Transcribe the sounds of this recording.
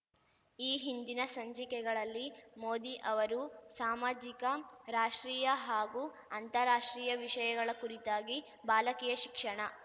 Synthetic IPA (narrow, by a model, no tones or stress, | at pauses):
iːɦind̪inɐsɐɲd͡ʒikɛɡɐɭɐlːimoːd̪iʔɐʋɐɾusaːmaːd͡ʒikɐɾaːʂʈɾiːjɐɦaːɡu | ɐnt̪ɐɾaːʂʈɾiːjɐʋiʂɐjɐɡɐɭɐkuɾit̪aːɡi | baːlɐkiːjɐʃikʂɐɳɐ